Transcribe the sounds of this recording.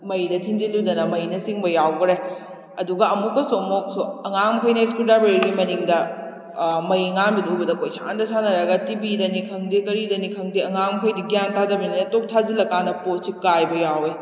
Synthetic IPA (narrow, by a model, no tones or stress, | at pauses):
mɐjdɐtʰind͡ʒinludɐnɐmɐjnɐsiŋbɐjawɡɾe | ɐduɡɐɐmukːɐsomok̚soɐŋamkʰɐjnɐiskudabeɾiɾimɐniŋdɐ | mɐjŋanbidubɐdɐkojsʰandɐsanɐɾɐɡɐtibidɐnikʰɐŋdikɐɾidɐnikʰɐŋdiɐŋamkʰojdiɡijantʰadɐbɐniɐtok̚tʰazilɐkːanɐposikajbɐjawe